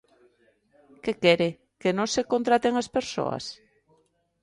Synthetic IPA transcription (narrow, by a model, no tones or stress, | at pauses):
kekɛɾe | kenõsekont̪ɾat̪eŋaspeɾso̰ɐ̰s